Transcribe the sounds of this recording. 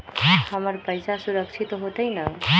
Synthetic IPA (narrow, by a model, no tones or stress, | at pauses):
həməɾpəjsʰasuɾəkʃʰit̪oɦot̪əjna